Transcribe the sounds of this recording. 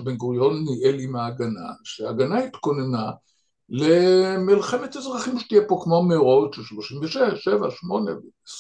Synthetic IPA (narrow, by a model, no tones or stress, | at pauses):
benɡuʁjo̞nːiʔelimaːɡana̰ʃeaːɡanait̪ko̞nena | lemilχe̞met̪azʁaχimʃe̥t̪ijepo̞kmomeʁot̪ʃelʃlo̞ʃimveʃevaʃeva̰ʃmo̞nḛv